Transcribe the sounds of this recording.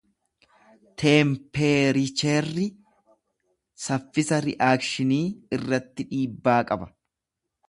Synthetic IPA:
t̪ʰeːmpeːɾɪt͡ʃɛrːɪ | sɐfːɪsɐɾɪ̰ʔaːkʃɪniːɪrːɐt̪ːɪᶑiːbːaːkʼɐbɐ̥

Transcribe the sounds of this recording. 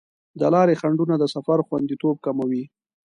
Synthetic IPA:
d̪əlɑɾexaɳɖunad̪əsafaɾxwand̪it̪ob̚kamawi

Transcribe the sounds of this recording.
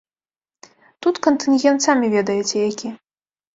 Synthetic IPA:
t̪ut̪kɐnt̪ɨnɣʲɛnt̪samʲivʲɛd̪ɐjɛt͡sʲɛjakʲi

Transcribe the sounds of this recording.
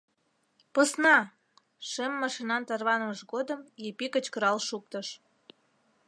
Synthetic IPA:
pəsnɑ | ʃemːɑʃinɑnt̪ɑrβɑnəməʃɣod̪əmjepikət͡ɕkəɾɑlʃuk̚t̪əʃ

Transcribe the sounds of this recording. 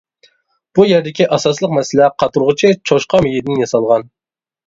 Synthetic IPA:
b̥ujɛɾd̪ɪkʲiʔɑsɑslˠəqmɛsɪlɛqʰɑt̪uɾʁət͡ʃʰɪt͡ʃʰoʃqʰɑmejid̪nɪŋjɑsɑlˠʁɑn

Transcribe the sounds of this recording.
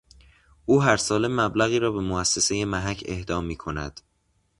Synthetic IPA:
ʔuːɦæɾsɒːle̞mːæblæɣiːɾɒːbe̞moæsːe̞seje̞mæɦæcʰe̞̰hd̪ɒːmːiːkʰo̞næ̰d̪̥

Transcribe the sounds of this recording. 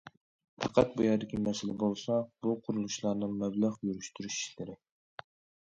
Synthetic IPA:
pʰɑqʰɑt̪̚bujɑːd̪ɪkʲʰimɛsɪlɪbolˠsɑb̥uqʰʊɾulˠuʃlˠɑɾnɨŋmɛblˠæʁjyɾyʃt̪yɾyʃi̥ʃlɪɾɪ

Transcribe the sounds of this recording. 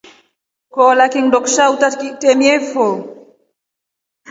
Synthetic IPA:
kɔlakiŋdɔkʃawtatkitemiɛfɔ

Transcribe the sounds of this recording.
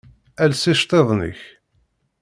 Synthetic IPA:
ælsiʃt̪ˤeðˤnə̰ç

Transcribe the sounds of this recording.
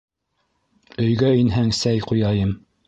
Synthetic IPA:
ɵ̆jɡæinɦæŋsæjqujɑjɤm

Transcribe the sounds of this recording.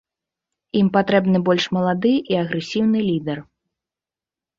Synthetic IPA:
impat̪ɾɛbnɨbɔlʲʂmɐlˠad̪ɨʔiɐɣɾɛsʲiwnɨlʲid̪ɛr

